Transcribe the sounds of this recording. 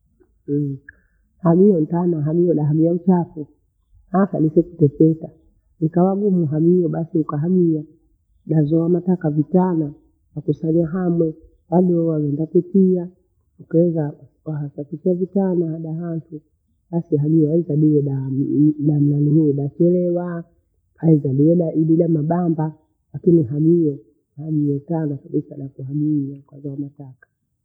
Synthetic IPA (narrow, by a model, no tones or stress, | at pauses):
hamiɔn̩tanaɦamiɔɗaɦamiaut͡ʃapu | hasalisɛkutɛfɛka | nikawaɡumuɦamiɔɓasiukaɦamia | ɗazɔwamatakavitana | wakusaɲaɦamwɛ | ɓaɗɔwavɛndapɛtia | ukaɛza | aɦasakikiavitanahaɗaɦantu | ɓasiɦaɲiɛaizaɗiɛɗaɗam̩lanihiiɗat͡ʃɛlɛwa | haizaɗiɛɗaʔiɗiɗamaɓamba | lakiniɦaɲijɔ | haʄiɛtanakaɓisaɗakuhamiakwazɔamatakḁ